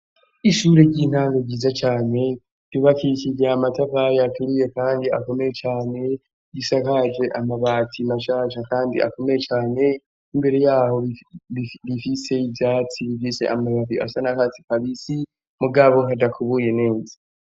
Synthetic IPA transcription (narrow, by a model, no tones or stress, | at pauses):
iʃuːɾeɟiːn̥haːŋɡoɟiːzat͡ʃaːne̞ | duβakicid͡ʒeamataβajatuɾije̞kaːndia̰ko̞me̞jet͡ʃaːne̞ | ɡisakad͡ʒe̞ʔamaβaːtʰimaʃaːʃakaːndḭʔa̰ko̞me̞je̞t͡ʃaːne̞ | imbe̞ɾejaːho̞iiβifise̞ivjaːt͡siβifise̞̰ʔamaβatiʔa̰sanakat͡si̥kaβisi | muɡaβo̞ɦadakʰuβuje̞ne̞ːza